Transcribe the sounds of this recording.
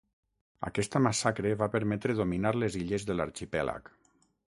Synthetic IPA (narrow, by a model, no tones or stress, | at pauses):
a̰kɛst̪əmasakɾeβapəɾmɛt̪ɾeðominaɾleziʎezðəlaɾt͡ʃipɛla̰k